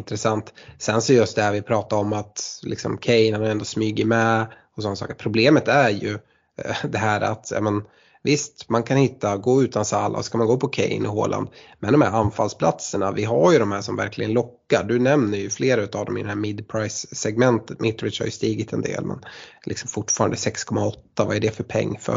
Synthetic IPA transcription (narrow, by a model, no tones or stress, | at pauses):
nt̪ɾɛsant̪sɛnsɔjɵst̪̚d̪æɾvɪpʰɾɑːt̪aɾɔmːat̪lɪ̰ksɔ̰mkʰɛjnhanhajɾɛnd̪ɔsmyːɡɪmɛ | ɔs̬ɔnːasɑ̰ːkəɾpʰɾʊbleːmət̪æɾjɵ | d̪ɛɦæːɾa̰t̪jɑ̰ːmɛn | vɪst̪mankʰanhɪt̪ːaɡoːʉ̟ːt̪ansalːa̰ɔ̰sɔ̥kʰanmanɡoːpʰɔkʰɛ̰jnɪɦo̰ːlʔa̰nd̪mɛnɔmhæɾanfa̰lspʰlat̪səɳavɪɦaɾjɵd̪ɔmhæːʂɔmvæɾklɪɡənlɔkːaɖɵnɛmnəɾjɵfleːɾaʉt̪aːvd̪ɔmɪ̰d̪ɛhæːɾmɪd̪pʰɾaɪsːɛɡmɛnt̪ət̪mʔɪt̪ːɾɪʂha̰jɵst̪iːɡɪt̪ʰɛnd̪ḛːlmʔɛ̰nlɪksɔmfʊʈːfɑːɾand̪əsɛkskʰɔmːaɔt̪ːavaæɖɛfœɾpʰɛ̰ŋːfœ̰